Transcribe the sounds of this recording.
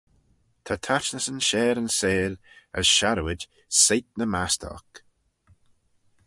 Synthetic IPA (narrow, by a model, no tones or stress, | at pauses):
t̪ʰat̪ʰat͡ʃnəsənʃɛːɾənseːlə̰zʃaɾəwɪd͡ʒ | sejt̪̚nəmastʰɔ̰k